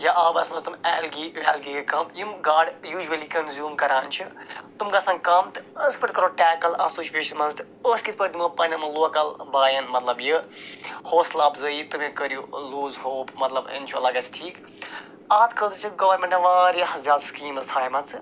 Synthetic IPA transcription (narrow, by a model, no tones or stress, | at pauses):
jaʔɐːbɐsmɐst̪umɛːlɡiʋɛːlɡikekɐmjimɡaːɖjuːd͡ʒuɐlikɐnzjuːmkɐɾaːnt͡ʃʰit̪umkasɐ̃ŋɡkamt̪ɨəspɐɾʈ̪kɐɾoʈɛːkɐlɐsoːʃijeːʃɐnmɐnzt̪ɨ | əskit̪ʰpɐɾt̪umɐpɐnɐmɐloːkɐlbaːjɐnmɐt̪lɐbji | hoːslaːbzɨjit̪umĩkəɾjuluːzɦoːbmɐt̪lɐbɐ̰nʲt͡ʃʰuɐlɐɡɐt͡sʰʈʰiːk | aːt̪kʰəːt̪ɨt͡ʃʰiɡɐʋɐɾmẽʈeʋaːɾihɐzaːd̪skiːmɐst̪ʰaːjmɐt͡sɨ